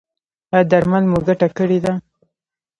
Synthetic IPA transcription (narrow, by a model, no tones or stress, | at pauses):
ad̪aɾmalmuɡaʈakəɽed̪a